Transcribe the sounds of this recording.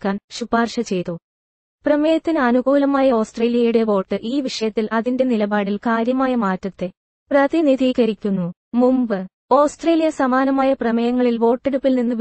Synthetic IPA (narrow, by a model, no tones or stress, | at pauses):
kːaːnɕubaːrʂɐt͡ɕe̞jt̪u | prɐmɐjɐt̪ːinɨɐnuɡuːlɐmaːjɐo̞ːsʈre̞ːlijɐjuɽe̞ʋo̞ːʈːɨʔiːʋiʂɐjɐt̪ːilʔɐðinde̞nilɐbaːɽilkaːɾjɐmaːjɐmaːtːɐt̪ːe̞ | prɐðiniðʱiːɣɐɾikʲːunːu | mumbɨ | o̞ːsʈre̞ːlijɐsɐmaːnɐmaːjɐprɐmɐjɐŋːɐɭilʋo̞ːʈːeɽupːilninːɨ